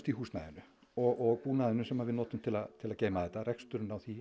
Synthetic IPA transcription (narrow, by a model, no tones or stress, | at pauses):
st̪ihuːsna̰ðʏnʏ | ɔɣɔɣpuːnaðʏnʏsɛmhavɪðnɔːt̪ʏmt̪ʰɪlaðt̪ʰɪlaðceːjmaθɛt̪ːaɾɛkst̪ʏɾʏnawθi